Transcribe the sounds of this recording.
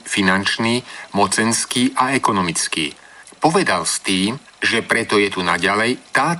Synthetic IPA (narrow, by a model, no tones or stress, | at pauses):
finant͡ʃniːmɔt͡sɛnskiːʔaɛkɔnɔmit͡skḭː | pɔʋɛd̪alst̪iːm | ʒɛpɾɛt̪ɔjɛt̪unaɟalɛjt̪aː